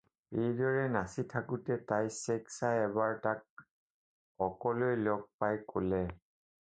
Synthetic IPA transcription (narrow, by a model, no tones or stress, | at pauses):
ejdɔɹɛnasitʰakʊtɛtajsɛksajɛβaɹtak̚ | ɔkɔlojlɔk̚pajko̰lɛ